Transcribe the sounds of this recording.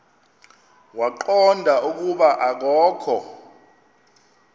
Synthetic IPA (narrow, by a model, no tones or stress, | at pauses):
waǃɔndʱaʔuk̬ʼuɓaʔak̬ɔːkʰɔ